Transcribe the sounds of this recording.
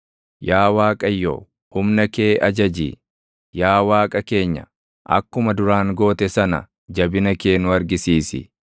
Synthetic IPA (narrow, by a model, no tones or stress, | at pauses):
jaːwaːkʼɐjːo̰ː | hʊmnɐke̞ːʔɐd͡ʒɐd͡ʒḭː | jaːwaːkʼɐke̞ːɲːɐ̰ | ʔɐ̰kːʊmɐd̪ʊɾaːŋɡo̞ːt̪ɛsɐnɐ̰ | d͡ʒɐbɪnɐke̞ːnʊɐɾɡɪsiːsɪ̰